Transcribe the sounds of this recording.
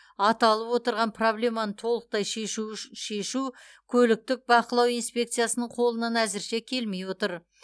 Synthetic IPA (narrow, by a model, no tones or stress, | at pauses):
ɑt̪ɑlˠəpwo̞t̪əɾʁɑnpʰro̞blʲe̞mɑnət̪ʰo̞lˠəq̚t̪ɑjʃʃe̞ʃu | kʲʰɵlɪk̚t̪ɪk̚bɑqəlˠɑwijnspʲe̞k̚t̪sɨjasənəɴqʰo̞lˠənɑnæzɪɾʃe̞kʲʰe̞lmejwo̞t̪əɾ